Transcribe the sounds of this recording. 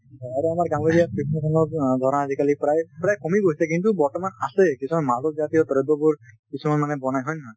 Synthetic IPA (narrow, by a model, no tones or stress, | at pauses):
ɔaɾuamaɹɡãŋɡɔɾijapikʰnesʰɔnɔɹd̪ʱɔɾɔnazikalipɹajpɹajkɔmiɡoɦisɛkintubɔɹtɔmanasɛkisʰumamazɔk̚zat̪iɔt̪ɔɹɔd̪ɔbʊɹkisʰumanmanɛbɔnajɦɔjna